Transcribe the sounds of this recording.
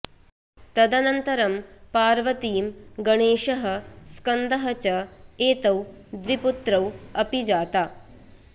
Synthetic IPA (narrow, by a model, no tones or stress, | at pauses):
t̪ɐd̪ɐnɐnt̪ɐɾɐmpaːɾʋɐt̪iːmɡɐɳeːʃɐɦɐ̆skɐnd̪ɐɦɐt͡ʃɐeːt̪ɐwd̪ʋiput̪ɾɐwɐpid͡ʒaːt̪aː